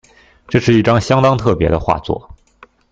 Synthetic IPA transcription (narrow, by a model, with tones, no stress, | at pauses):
ʈ͡ʂɤ˥˧ʂɻ̩˥˧i˥˩ʈ͡ʂɑ˥ŋɕjɑ˥ŋt̪ɑ˥ŋt̪ʰɤ˥˩pjɛ̰˧˥d̪ə˧xwa̰˥˧t͡swɔ̰˥˩